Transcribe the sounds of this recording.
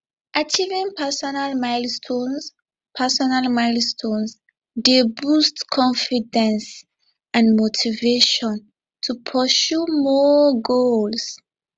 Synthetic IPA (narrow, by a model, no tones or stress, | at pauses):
ʔat͡ʃivĩnpʰasɔnalmajlstʰõns | pʰasɔnalmaɪlstʰõns | debustkʰɔ̃ɱfidɛ̃ns | ãnmotʰiveʃɔ̃n | tʰupʰɔsumɔɡols